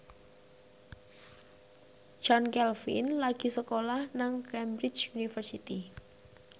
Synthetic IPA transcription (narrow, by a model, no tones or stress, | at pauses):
d͡ʒɔnkɛlfḭnlaɡ̥i̤səkolahnaŋkɛmbɾɪt͡ʃunifərsit̪i